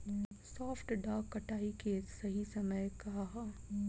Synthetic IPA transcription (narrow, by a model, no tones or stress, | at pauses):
sɔːfʈɖaːkːɐʈaːikesɐɦisɐməjkɐɦa